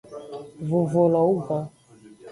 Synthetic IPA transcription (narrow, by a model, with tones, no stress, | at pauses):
vo˨vo˨lɔ˨wu˦ɡa˦